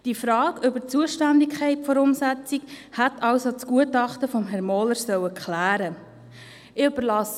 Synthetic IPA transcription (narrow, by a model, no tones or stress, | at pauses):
d̥ifɾɑːɡʏbət͡suəʃtændɪkχɛɪtfoɾʊmsɛt͡sikhætɑʊsot͡skuətɑχtəfɔmɦɛɾrmɔːləɾsœwəkχlæːɾə | ɪøb̥əɾlɑs